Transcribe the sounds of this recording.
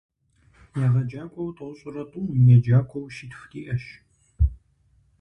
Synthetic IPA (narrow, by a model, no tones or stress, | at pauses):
jɐʁɐd͡ʒaːkʷʰʼɔwtʼɐwɕʼʊrɐtʼuːmjɛd͡ʒaːkʷʰɔwʃitxtʰʼiːʔɐʃ